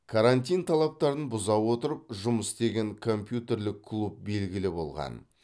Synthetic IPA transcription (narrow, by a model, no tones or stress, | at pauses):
kʰaɾanʲt̪ʲijnt̪ʰɑlˠɑp̚t̪ɑɾənbʊzɑwwo̞t̪əɾəp̚ʒʊməsd̪e̞ɡʲe̞ŋkʰo̞mpʲjut̪e̞ɾlɪkʰːlˠup̚be̞lɡʲɪlɪbo̞̰lˠʁɑ̰n